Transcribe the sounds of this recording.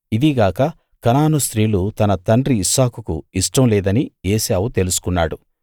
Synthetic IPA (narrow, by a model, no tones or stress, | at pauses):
id̪iɡaːkɐ | kɐnaːnust̪ɾiːlut̪ɐnɐt̪ɐɳɖɾiːsaːkukṵiʂʈɐmlɛːd̪ɐnieːsejaːwut̪e̞lusu̥kunːa̰ːɽu